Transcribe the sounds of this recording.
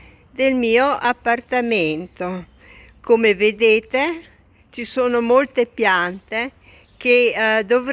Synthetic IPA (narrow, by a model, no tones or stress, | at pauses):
d̪elmiːoʔapːart̪ament̪o | komeved̪eːt̪e | t͡ʃisoːnomolt̪epjant̪e | k̟ed̪ov